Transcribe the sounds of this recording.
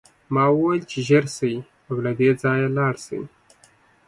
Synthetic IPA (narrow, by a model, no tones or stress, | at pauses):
mɑwəwajlt͡ʃeʒaɾsəji | awlad̪ed͡zɑjalɑɽsə̰wḭ